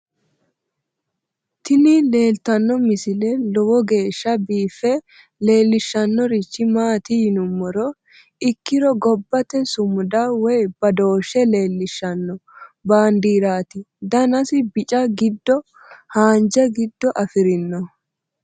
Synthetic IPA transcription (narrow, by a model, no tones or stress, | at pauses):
t̪ɪnɪle̞ːlt̪ɐnːɔmɪsɪlɛlɔwɔɡe̞ːʃːɐbiːfːɛ | le̞ːlːɪʃːɐnːɔɾɪt͡ʃːɪmaːt̪ɪjɪnʊmːɔɾɔ | ɪkːɪɾɔɡɔbːɐt̪ɛsʊmʊd̪aːwɔjb̥ɐd̪o̞ːʃːɛle̞ːlːɪʃːɐnːɔbaːnd̪iːɾaːt̪ɪ | d̪ɐnɐsɪbɪt͡ʃʼɐɡɪd̪ːɔ | haːnd͡ʒɛɡɪd̪ːɔʔɐfɪɾɪnːɔ